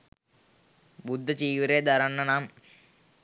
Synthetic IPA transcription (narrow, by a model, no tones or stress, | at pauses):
bud̪ʱːɐt͡ɕiːʋiɾeːd̪ɐɾɐɳːɐnaːm